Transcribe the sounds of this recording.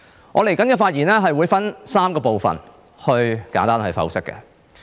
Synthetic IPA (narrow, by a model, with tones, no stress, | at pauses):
ŋʔɔː˨˧le˨˩jkɐ˨˥nkɛː˧faː˧t̚jiː˨˩nɛː˥ɦɐ˨jwuː˨˧˥jfɐ˥nsaː˥mkɔː˧po˨wfɐ̰˨n | hɵ˧ɥkaː˨˥nt̪aː˥nhɐ˨˧ɥfɐ̰˨˥wsɪ˥kːɛ̰˨˧